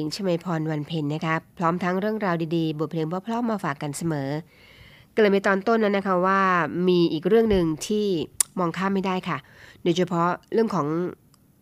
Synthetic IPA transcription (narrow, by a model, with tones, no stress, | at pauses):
i˩˦ŋt͡ɕʰa˧ma˧jpʰɔː˧nwa˧npʰe˧nːa˦˥kʰa˦˥pʰɾɔː˦˥mt̪ʰa˦˥ŋɾɯ˥˩əŋɾaː˧wdiː˧diː˧bu˨˩t̪̚pʰleː˧ŋpʰɔ˦˥pʰlɔː˦˥mːaː˧faː˨˩kːa˧nsa˧mɤː˩˦ | kle˨˩mpa˧t̪ɔː˧nt̪o˥˩nːa˦˥wna˦˥kʰa˦˥waː˥˩miː˧ʔiː˨˩k̚ɾɯ˥˩əŋnɯ˨˧ŋt̪ʰiː˥˩mɔː˧ŋkʰaː˥˩mːa˥˩jda˥˩jkʰa˥˩doː˧jt͡ɕʰa˧pʰɔ˦˥ɾɯ˥˩əŋkʰɔː˩˦ŋ